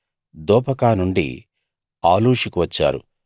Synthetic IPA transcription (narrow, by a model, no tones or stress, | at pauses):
d̪ɔːpɐkaːnuɳɖḭ | aːluːʂikuʋɐt͡ʃːa̰ːɾṵ